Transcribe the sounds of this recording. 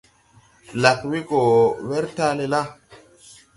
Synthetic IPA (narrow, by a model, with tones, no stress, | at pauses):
la˨kwi˦ko˨we˦ɾta˦le˨la˦